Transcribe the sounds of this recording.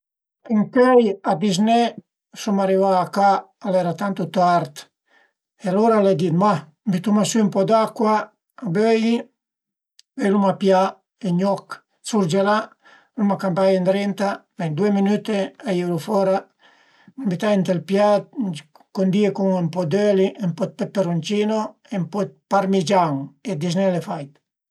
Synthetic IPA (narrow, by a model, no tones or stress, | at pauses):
iŋkɛjad̪iz̬nɛ | ʃumaɾivaːkaː | lɛɾat̪ant̪ut̪aɾt̪ | ɛluɾalɛd̪it̪ma | mbit̪umasympɔd̪akwaː | bøji | ɛlumapja | ɛɲɔk | t͡suɾd͡ʒɛla | lumakampajend̪ɾɛnt̪amɛnd̪ueminyt̪eajiɾufɔɾa | mbit̪aint̪elpjat̪̚ | kond̪iekuŋempɔd̪øliʔempɔt̪̚pɛpːeɾunt͡ʃinoempɔt̪̚paɾmid͡ʒaŋed̪isnɛlefajt̪